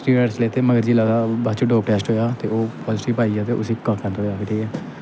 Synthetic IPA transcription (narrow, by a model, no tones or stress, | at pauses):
sʈɾiːɖəɾsleːt̪eːməɡəɾd͡ʒiːlad̪aːbat͡ʃuɖoːkʈɛːsʈɦoːjaːt̪eːoːpʰɔːzɪʈiːpaːiːaːt̪eːʔʊsiːkãkə̃nt̪ɦoːjaːkʰɪʈʰiːkɛː